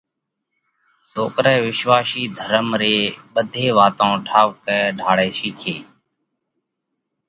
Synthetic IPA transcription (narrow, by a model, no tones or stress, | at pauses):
soːkɾɛːʋɪʃʋaːʃiːd̪ʱəɾəmɾeːɓəd̪ʱeːʋaːt̪õːʈʰaːʋkɛːɖʱaːɽeːʃiːkʰeː